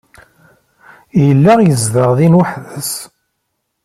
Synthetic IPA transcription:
jəlːæʁjəzðəʁðinwəħðəs

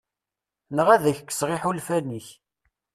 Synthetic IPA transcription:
nəʁæðəçkːə̥sʁɪħulfæniç

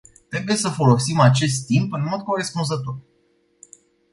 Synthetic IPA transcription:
t̪ɾebuje̞səfo̞lo̞simat͡ʃe̞s̬t̪ːimpɨnmo̞d̪̚ko̞ɾe̞spunzət̪o̞r

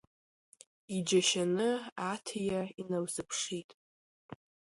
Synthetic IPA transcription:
id͡ʒaʃanɨatʰjainawzɨpʰʂitʼ

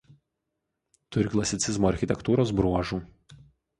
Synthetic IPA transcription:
t̪ʊɾʲɪklˠɐsʲɪt̪sʲɪzmoːɐɾʲxʲɪt̪ʲɛkt̪uːɾoːs̬bɾuɔʒuː

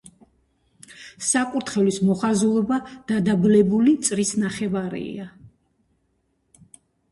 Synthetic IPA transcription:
sakʼuɾt̪ʰχɛlismɔχazulˠɔbad̪̥ad̪ablɛbulit̪sʼɾisnaχɛvaɾḭa

